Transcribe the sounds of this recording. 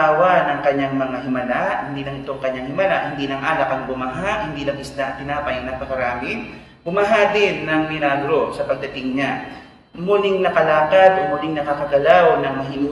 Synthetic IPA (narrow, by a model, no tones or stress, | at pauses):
awanɐŋkɐɲːaŋmɐŋaɦɪmɐlahɪnd̪iːlɐŋʔɪt̪oŋkɐɲːaŋhɪmɐlaʔhɪnd̪iːlɐŋʔaːlɐkɐŋbʊmɐɦaʔhɪnd̪iːlɐŋʔɪslaʔɐnt̪ɪnaːpɐjɐŋnapɐkɐɾaːmɪ | bʊmɐɦad̪ɪnːɐŋmɪlaːɡɾo̞sɐpɐɡ̚d̪ɐt̪ɪŋɲa | muːlɪŋnɐkɐlaːɡɐt̪ʔomuːlɪŋnɐkakɐɡɐlawnɐŋmɐɦɪnː